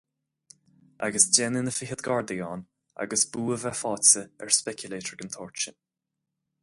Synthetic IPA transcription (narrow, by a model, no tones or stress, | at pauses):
ʔa̰ɡəsd͡ʒɛnɪnəfɪɦəd̪ɡaːɹd̪ɛɔːn | a̰ɡəsb̥uːəvɛfɑːt͡səɛɹspɛkʰjʊleːtəɹɡənt̪ʰɔːɹt͡ʃən